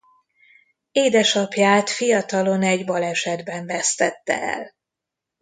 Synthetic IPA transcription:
eːd̪ɛʃɒpjaːt̪fijɒt̪ɒlo̞nɛɟbɒlɛʃɛd̪bɛɱvɛst̪ɛt̪ːɛ̰ɛ̰l

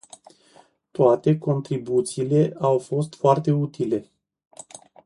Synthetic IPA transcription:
t̪oat̪e̞ko̞nt̪ɾibut̪siːle̞awfo̞st̪foart̪e̞ut̪ile̞

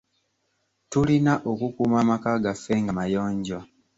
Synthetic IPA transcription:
tulinaʔokukuːmamakaːɡafːe̞ŋɡamajoːɲɟo

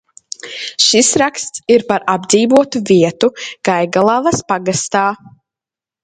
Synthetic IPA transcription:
ʃisɾakst̪siɾpaɾabd̪ziːvuɔt̪uviɛt̪uɡ̥ajɡalˠavɐspaɡast̪aː

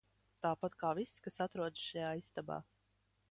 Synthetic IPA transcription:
t̪aːpat̪kaːviskasat̪ɾuɔd̪ʃajaːist̪aba̰ː

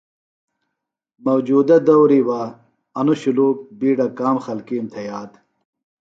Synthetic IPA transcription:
mɐwd͡ʑuːd̪ɐd̪ɐwɾiwaː | ɐnuɕuluːk̚biːɖɐkaːmxɐlkiːmt̪ʰejaːd̪

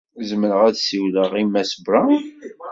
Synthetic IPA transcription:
zəməɾəʁæðsiwləʁimːæsəbɾa

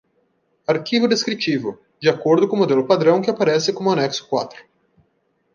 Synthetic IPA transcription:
aɾkivʊd̪eskɾit͡ʃivʊ | d͡ʒiakoɾd̪ʊkõmod̪elʊpad̪ɾɐ̃w̃kɪapaɾɛsɪkõmʊanɛksʊ̥kwa̰t̪ɾʊ̥

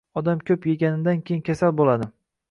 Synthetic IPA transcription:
ɒd̪amkʲʰɵpjeɡʲanɪd̪ankʲʰejɪŋkʲʰasalbolad̪ɪ

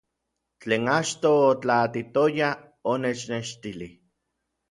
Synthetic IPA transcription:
t͡ɬeːnat͡ʃt̪oːt͡ɬat̪it̪oja | onet͡ʃneʃt̪ili

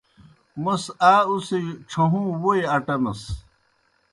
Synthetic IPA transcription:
mɐsaːusiʈ͡ʂʰɐɦũːwojɐʈɐmɐ̰s

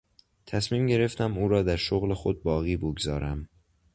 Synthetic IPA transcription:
t̪ʰæsmiːmɟe̞ɾe̞ft̪ʰæmuːɾɒːd̪æɾʃoɣle̞xod̪̚bɒːɣiːboɡzɒːɾʔæm

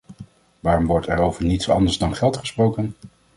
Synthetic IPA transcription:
ʋaːrɔmʋɔɹtɛɹowvəɹnitsɑ̰ndəzdɑnχɛlˠtχə̥sprowkən

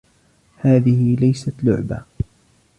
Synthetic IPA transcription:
haːðɪhɪlajsat̪lʊʕba̰

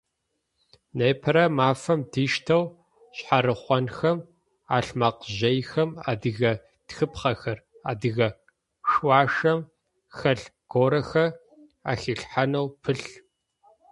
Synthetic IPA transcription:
neːpʰɐɾɐmaːfɐmdiːʃtʰɐw | ɕħaɾɨχʷɔnxɐm | aːɬmaqʑɐjxɐma̰ːdɨɣɐ | txɨpχɐxɐra̰ːdɨɣɐ | ʂwɑːʂɐm | xɐɬɡ̥oːɾɐxɐ | a̰ːxiːɬħanɐwpʰɨɬ

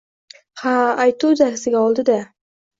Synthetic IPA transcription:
haːjt̪uwd̪aɾsɪɡʲaɒlˠd̪ɪd̪a

